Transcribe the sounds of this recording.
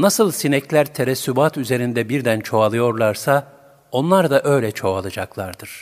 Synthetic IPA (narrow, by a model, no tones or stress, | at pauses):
nasɯlˠsinɛclʲæɾt̪ʰeɾɛsːybat̪yze̞ɾind̪ɛbiɾd̪ænt͡ʃʰo̞alˠɯjo̞ɾlˠaɾsa | o̞nlˠaɾd̪aʔø̞jlʲɛt͡ʃʰo̞alˠɯd͡ʒaklˠaɾd̪ɯɾ̥